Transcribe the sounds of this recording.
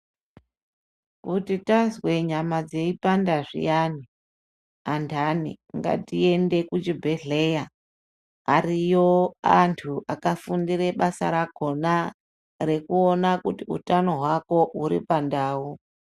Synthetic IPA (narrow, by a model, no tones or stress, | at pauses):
kutitazwe̞ɲamad͡ze̞ipandaʐḭjani | antʰanḭŋɡa̰tie̞nde̞kut͡ʃibʱe̞ɮe̞jaː | rijo̞a̰ntʰuʔakafundiɾe̞ɓasa̰ɾako̞na | re̞kuonakutiṵtano̞ɦwako̞ʔuɾipandaːu